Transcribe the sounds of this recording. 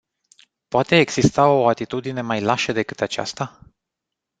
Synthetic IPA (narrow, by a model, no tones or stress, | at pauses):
poat̪e̞ːɡz̥ist̪ao̞at̪it̪ud̪ine̞majlaʃed̪e̞kɨt̪at͡ʃa̰st̪a